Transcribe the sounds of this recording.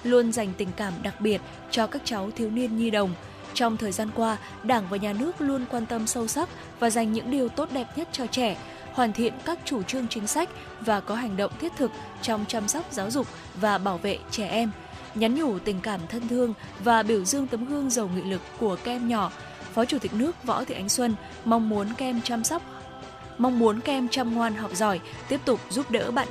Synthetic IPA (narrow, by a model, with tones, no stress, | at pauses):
lu˧ənza˨˩jŋ̟t̪ï˨˩ŋ̟kaː˧˩mɗa˨˩k̚ɓi˨˩ət̚ | t͡ɕɔ˧kaː˦˥k̚t͡ɕa˨˦wt̪ʰi˨˦wni˧ənɲi˧ɗə˨˩wŋ͡m | t͡ɕɔ˧wŋ͡mt̪ʰəː˨˩jzaː˧nkwaː˧ | ɗaː˧˩ŋvaː˨˩ɲaː˨˩nɨ˦˥ək̚lu˧ənkwaː˧nt̪ə˧msə˧wsa˦˥p̚ | vaː˨˩za˨˩jŋ̟ɲɨ̰˧˥ŋɗi˨˩əwt̪o˦˥t̚ɗɛ˨˩p̚ɲə˦˥t̚t͡ɕɔ˧t͡ɕɛ˧˩ | hwaː˨˩nt̪ʰḭ˧˨ənkaː˦˥k̚t͡ɕu˧˩t͡ɕɨ˧əŋt͡ɕï˨˦ŋ̟sa˦˥jk̟̚ | vaː˨˩kɔ˨˦ɦa˨˩jŋ̟ɗə̰˧˨wŋ͡mt̪ʰi˦˥ət̚t̪ʰɨ˨˩k̚ | t͡ɕɔ˧wŋ͡mt͡ɕaː˧mswk͡p̚zaː˨˦wzʊ˨˩k͡p̚ | vaː˨˩ɓaː˧˩wvḛ˧˨t͡ɕɛ˧˩ʔɛ˧m | ɲa˨˦nɲu˧˩t̪ï˨˩ŋ̟kaː˧˩mt̪ʰə˧nt̪ʰɨ˧əŋ | vaː˨˩ɓi˧˩əwzɨ˧əŋt̪ə˨˦mɣɨ˧əŋzə˨˩wŋḭ˧˨lɨ˨˩kːu˧˩əka˧ʔɛ˧mɲɔ˧˩ | fɔ˨˦t͡ɕu˧˩t̪ï˨˩k̚nɨ˦˥ək̚vɔ̰˧˥t̪ʰḭ˨˧˩ʔa˨˧jŋ̟swə˧n | ma˧wŋ͡mmu˨˦ənɛ˧m˧˦˥wk͡p̚ | ma˧wŋ͡mmu˨˦ənkɛ˧mt͡ɕa˧mŋwaː˨˧nɦɔ˨˩wk͡p̚zɔ˧˩j | t̪i˦˥əp̚t̪ʊ˨˩k͡p̚zu˦˥p̚ɗə̰ː˧˥ɓa̰ː˧˨n